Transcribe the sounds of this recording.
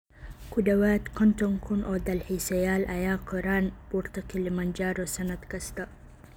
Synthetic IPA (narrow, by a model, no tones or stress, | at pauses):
kudɐwaːt̪kʰɔnt̪ɔŋkʰunʔɔd̪ɐlħisɐjaːlʔɐjaːkʰɔɾaːnb̥uɾt̪ɐkilimɐnd͡ʒaːɾɔsɐnɐt̪kɐst̪ɐ